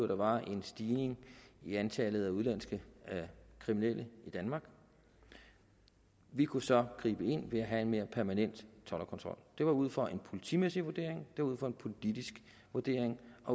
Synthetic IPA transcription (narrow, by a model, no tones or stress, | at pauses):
od̥ɑ̈ʋɑ̈ʔe̝nsd̥iːne̝ŋiænt͡sʰɛːlð̩ˠæuð̞ˠlæn̰sɡ̥ə | kʰʁiminel̰əid̥ænmɑ̈ːɡ̥ | ʋikʰusɒ̽ɡ̥ʁiːb̥əe̝n̰ʋe̝æɦæe̝nme̝ːɐpʰæɐmænen̰d̥t͡sʰɒ̽lɐkʰɒ̽nt͡sʰʁɒ̽l̰d̥e̝ʋɑ̈uð̞̰ˠfɒ̽ʔe̝npʰo̝lit͡sʰḭmesiʋuɐd̥e̝ɐ̰eŋd̥e̝ʋɑ̈uð̞̰ˠfɒ̽e̝npʰo̝lid̥isɡ̥ | ʋuɐd̥e̝ɐ̰eŋɒ̽